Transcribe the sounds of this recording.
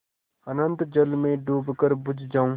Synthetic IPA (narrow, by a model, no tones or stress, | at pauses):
ənə̃nt̪d͡ʒəlmẽɖuːbkəɾbʊd͡ʒʱd͡ʒaːũː